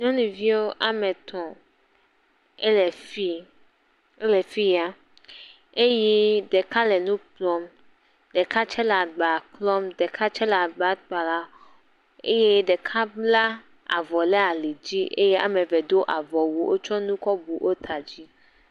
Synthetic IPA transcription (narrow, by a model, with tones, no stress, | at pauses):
ɲɔ̃˦nũ˨vi˦wo˦ʔa˨me˨t̪ʰɔ̃˨ | e˦lɛ˨fi˦ | e˦le˨fi˦ja˦ | e˦jɛ˦ɖe˨ka˦lɛ˨nũ˦k͡plɔ˦m | ɖe˨ka˦t͡ʃɛ˦la˨ɡ͡ba˨klɔ˦mde˨kʰa˦t͡ʃɛ˦la˨ɡ͡ba˦t̪̚k͡pa˨la˦ | ḛ˦je˦ɖe˨kʰa˦bla˦ | a̰˨vɔ˨lɛ˦a˨li˨d͡ʑi˦ʔe˦je˦ʔa̰˨mẽ˨vɛ˨d̪o˦ʔa˨vɔ˨wu˨wʔo˦t͡ʃɔ˦nũ˦kɔ˦bu˨ʔo˦t̪ʰa˨d͡ʑi˦